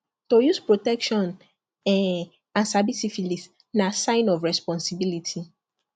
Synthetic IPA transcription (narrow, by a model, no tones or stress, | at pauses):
tojuspɹotɛkʃɔ̃n | ɛ | ãnsabisifilis | nãsãɪ̃nɔfɹɛspɔ̃nsibilitʰi